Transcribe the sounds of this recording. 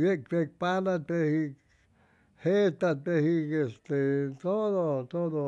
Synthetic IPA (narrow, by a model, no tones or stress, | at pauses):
iek̚t̪ek̚panat̪ehi | heːt̪ːæt̪ehikest̪eːt̪onot̪ono